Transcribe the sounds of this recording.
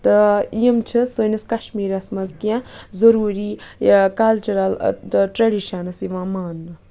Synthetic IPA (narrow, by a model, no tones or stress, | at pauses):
t̪ɨijəmt͡ʃʰɨsɨniskɐʃmiːɾɐsmɐzkiãːzɐɾuːɾiːkɐlt͡ʃuɾɐltɨʈɾɐɖiʃɐnɐsiʋãːmaːnːɨ